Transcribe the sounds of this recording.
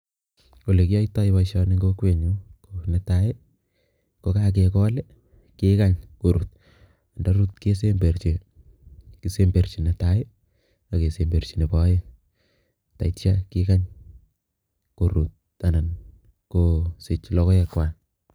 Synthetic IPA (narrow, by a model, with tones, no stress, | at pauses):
o˨le˨ki˦a˦ita˦iwa˨ʃa˦ni˦ŋɡo˦kwe˨ɲu˦kone˨tae˦ | ko˦kak̬ekɔ˦le˦ | ke˦ka˦ɲko˨ɾu˨t̚ | andaɾu˦tke˦se˦mbe˨rt͡ʃi˨ | ki˨se˦mbe˨ɾt͡ʃi˨na˨tae˦ | a˨ke˨se˨mbe˨ɾt͡ʃine˨pa˦je | ta̰˨itt͡ʃa˦ki˦kaɲ | ko˨ɾut̚ | ana˨n | kosɪ˨t͡ʃlɔ˦kɔ˦ɛkwa˨n